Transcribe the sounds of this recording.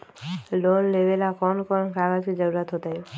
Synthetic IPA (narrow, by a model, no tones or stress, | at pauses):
lonlebelakɔnkɔnkɾaɡad͡ʒkid͡ʒəɾuɾat̪ɦot̪aj